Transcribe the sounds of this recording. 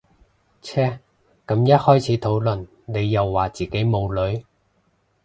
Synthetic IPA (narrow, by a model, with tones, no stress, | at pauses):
t͡sʰɛː˥ | kɐ˨˥mjɐ˥t̚hɔː˥jt͡sʰiː˨˥t̪ʰo˨˥wlɵ˨n | ne˨˧jːɐ˨wːaː˨˩t͡siː˨˩ke˨˥jmo˨˧wlɵ˨˧˥ɥ